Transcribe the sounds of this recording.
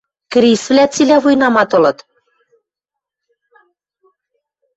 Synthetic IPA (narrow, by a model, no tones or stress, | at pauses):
k̆ɾisvlʲæt͡silʲæβujnɑmɑt̪ɤ̆lɤ̆t̪